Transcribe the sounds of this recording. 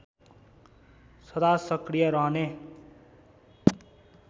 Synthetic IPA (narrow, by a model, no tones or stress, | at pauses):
sʌd̪asʌkrijʌɾʌɦʌne